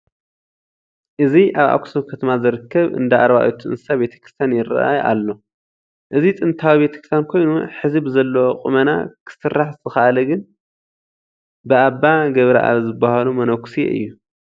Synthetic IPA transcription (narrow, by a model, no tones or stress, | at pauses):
ʔɨziʔaβa̰kʰu̥sokʰɐt̪ʰɐmazɨɾɨkʰːɐβɨ̰nd̪aʔaɾβaʔjot̪ʰuɨ̰nsɨsabe̞t̪ʰɐ̥kɾi̥st̪ʰanjɪra̰ʔajʔa̰lːo̞ | ʔɨzit͡s̪ʼɨnt̪ʰawiβet̪ʰɐ̥kɾi̥st̪jankʰo̞jnuħɨzɨbzɐlːookʼṵmɐna̰kʰɨ̥sɨrːaħzɨt̪ʰɨxaʔalɐɡɨn | bɨʔaβːaɡɐβɾɐ̰ʔa̰βzɨbːahalumɐnɐksiḛʔɨ̰jːu